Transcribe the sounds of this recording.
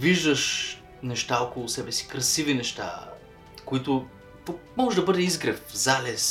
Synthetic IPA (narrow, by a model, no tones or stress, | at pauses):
viʒd̪əʃ | nɛʃt̪aokolˠʊsɛbɛsi̥kɾɐsivinɛʃt̪a̰ | kʊit̪ʊ | mɔʒɛd̪ɐbɤd̪ɛizɡɾɛfzalɛs